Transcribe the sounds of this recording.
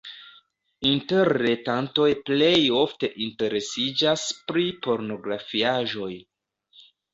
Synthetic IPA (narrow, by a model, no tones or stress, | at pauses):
inteɾːɾetanto̞jple̞jo̞fte̞ʔinte̞ɾe̞sid͡ʒaspɾipo̞ɾno̞ɡɾafiaʒo̞j